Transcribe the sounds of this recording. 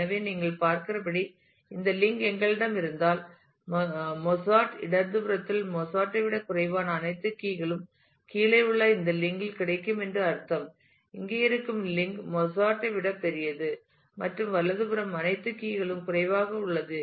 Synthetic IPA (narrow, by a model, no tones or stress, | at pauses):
ɐʋeːniːŋɡɐɭpaːɾkɪrɐpɐɽi | ɪnd̪ɐlɪŋɡɛŋɡɐɭɪɽɐmɪɾɯnd̪aːl | mɔsaːʈɪ̰ɽɐnd̪ɯbɯɾɐt̪ːɪlmɔsaːʈːɐɪʋɪɽɐkʊrɐɪʋaːnɐːnɐɪt̪ːɯkiːɣɐɭɯm | kiːlɐɪʊɭːɐɪnd̪ɐlɪŋɡɪlkɪɽɐɪkːɯmɛndrɯɐɾt̪ːɐm | ɪŋɡeːɪɾɯkːɯmlɪŋɡmɔsaːʈːɐɪʋɪɽɐpːɛɾɪjɐðɯ | mɐʈrɯmʋɐɭːɐðɯbɯɾɐmɐnɐɪt̪ːɯkiːɣɐɭɯmkʊrɐɪʋaːɣɐʊɭːɐðɯ